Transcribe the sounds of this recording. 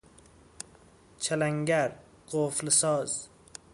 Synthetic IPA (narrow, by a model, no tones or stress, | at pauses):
t͡ʃʰalaŋɡʲaɾ | qʰoflɪsɒz̥